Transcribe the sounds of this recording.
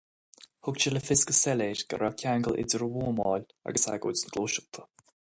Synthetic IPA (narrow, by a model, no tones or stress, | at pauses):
hʊk̚t͡ʃələfɪskəsɛleːɾɡ̥ə̰ɾakʲʰaŋɡəlʔɪ̰dəɹəwuːmɑːl | a̰ɡəsha̰ɡoːt͡snɡ̥loʃət̪ʰə̥